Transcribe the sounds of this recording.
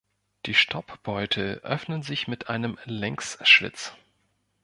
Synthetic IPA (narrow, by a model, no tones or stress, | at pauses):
d̥iːʃtʰɔpb̥ɔʏtʰəʔœ̰fnənzɪçmɪtʔaɪnəmlɛŋksʃv̥ɪ̰t͡s